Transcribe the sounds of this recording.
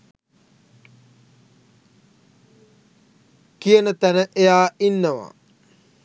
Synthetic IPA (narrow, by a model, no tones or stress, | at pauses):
kijənət̪ænəʔejaːinːəʋa̰